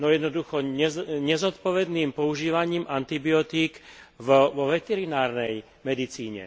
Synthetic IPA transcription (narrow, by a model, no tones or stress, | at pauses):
nɔjɛd̪nɔd̪uxɔɛɲɛzɔt̪pɔʋɛd̪niːmpɔuʒiːʋaɲiːmʔant̪ibijɔt̪iːkvɔʋɛt̪ɛɾinaːɾnɛj | mɛd̪it͡siːɲɛ̰